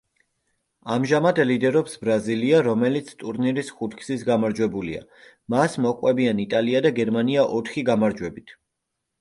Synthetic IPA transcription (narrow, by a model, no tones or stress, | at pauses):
amʒamad̪lid̪ɛɾɔpsbɾaziliaɾɔmɛlit̪sʰt̪ʼuɾniɾisχut̪ʰkʰsisɡamaɾd͡ʒwɛbulḭa̰ | masmɔqʼwɛbianit̪ʼaliad̪aɡɛɾmaniaʔɔt̪ʰχiɡamaɾd͡ʒwɛbit̪ʰ